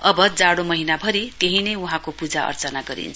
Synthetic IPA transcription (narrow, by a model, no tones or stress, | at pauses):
ʌbʌd͡zaɽomʌɦinabʱʌɾit̪eɦinejuɦãkopud͡zaʌ̰rt͡sʌnaɡʌɾḭnt͡sʰ